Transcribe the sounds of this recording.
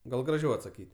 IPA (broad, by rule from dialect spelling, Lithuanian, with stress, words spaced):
ˈɡɐlˠ ɡrɐˈʒʲɛʊ ɐtsɐˈkʲiːtʲ